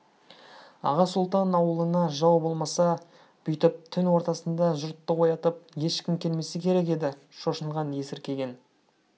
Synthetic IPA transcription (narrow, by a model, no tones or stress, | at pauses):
ɑ̰ʁɑsʊlˠt̪ɑnɑwəlˠənɑʒɑwbo̞lˠmɑsɑ | b̥ʏjt̪ɪp̚t̪ʰʏnwo̞ɾt̪ɑsənd̪ɑʒʊɾt̪ːəwo̞jɑt̪əp̚je̞ʃkʲɪmkʲʰe̞lme̞sekʲʰe̞ɾe̞k̬ʲe̞d̪ɪ | ʃo̞ʃəɴʁɑnje̞sɪɾkʲʰe̞ɡʲe̞n